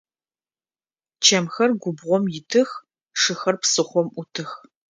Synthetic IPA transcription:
t͡ʃʰɐmxɐrɡʷʊbʁʷɔmjɪtʰɨx | ʂɨxɐrpsɨχʷɔmʔʷʊtʰɨx

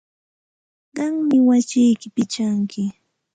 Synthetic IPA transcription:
ɢɑŋmɪwasɪjkɪpɪt͡ʃaŋkɪ

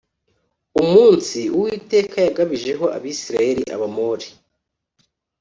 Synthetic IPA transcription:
umuːnsiuwiːte̞ːkʰajaɡaβiʒe̞ɦo̞ʔa̰βisiɾaje̞ɾḭʔa̰βamoːɾi

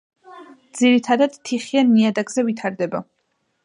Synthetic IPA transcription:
d̪z̥iɾit̪ʰad̪ad̪̥t̪ʰːiχianːiad̪aɡzɛvit̪ʰaɾd̪ɛba

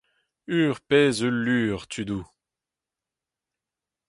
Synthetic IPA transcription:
yːʁpɛːzəlːyːʁt̪ʰyd̪u

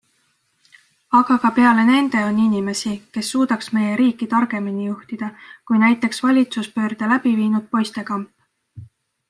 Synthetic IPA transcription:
ɑɡ̥ɑkɑpe̞ɑle̞ne̞nd̪̥e̞o̞nːinʲime̞sike̞sːuːd̪̥ɑksme̞je̞ɾiːkːit̪ɑrɡ̥e̞minijuht̪id̪̥ɑkujnæjt̪ːˑe̞ksvɑlʲit̪suspø̞ːrd̪̥ɑlæb̥iviːnud̪̥̚po̞jst̪e̞kɑmp

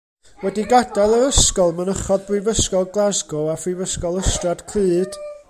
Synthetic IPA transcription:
wɛdiɡadalˠəɾəskɔlˠmənəχɔd̚brɪvəskɔlˠɡlˠazɡɔafrɪvəskɔlˠəstrad̥kʰlɨːd̥

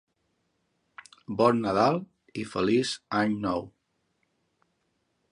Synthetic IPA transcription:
bɔnːəðalˠ | ifəlizaɲnɔw

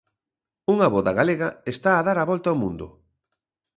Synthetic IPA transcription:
uŋaβoðɐɣaleɣɐest̪aːðaɾaβɔlt̪aomũnd̪ʊ̰

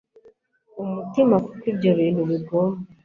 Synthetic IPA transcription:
umutimakukibɟaβiːnduβiɡomba

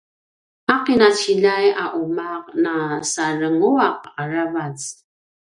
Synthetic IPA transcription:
aqinat͡ɕiʎajaʔumaq̚nasarəŋuaq̚aɾavat͡s

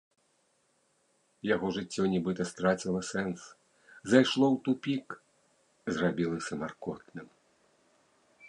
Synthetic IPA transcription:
jaɣɔʐɨt͡sʲːɔnʲɛbɨt̪ɐst̪ɾat͡sʲilˠɐsɛns | zajʂlˠɔwt̪upʲik | zrabʲilˠɐsʲɐmarkɔt̪nɨm

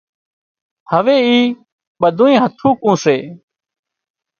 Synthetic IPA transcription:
həʋeːiː | ɓəd̪ʱũːẽːɦət̪ʰũːkũːseː

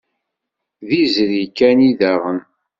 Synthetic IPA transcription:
ðizɾikːæniðæʁən

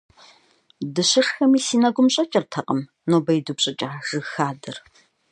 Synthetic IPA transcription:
dɨɕɪʂxɐmiːsiːnɐɡʷʊmɕʼɐt͡ʃʼɐrtʰɐqʼəm | noːbɐjdupɕʼɐt͡ʃʼaːʒ̥ɨxaːdɐr

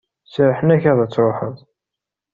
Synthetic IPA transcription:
sɾħənæçæðˤæt͡sːɾoħəðˤ

